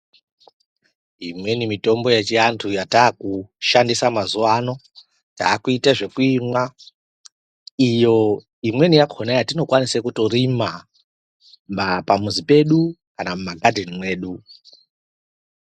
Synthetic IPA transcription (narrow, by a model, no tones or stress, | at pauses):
imwe̞nimito̞mbo̞jet͡ʃiantʰujataːkuʃandisamazuaːno̞ | taːkuitaʐe̞kuimwa | ijo̞ | imwe̞nijakʰonajatino̞kwanisekuto̞rima | mbapamuzipe̞ɗukanamumaɡʱadʱenimwe̞ːɗu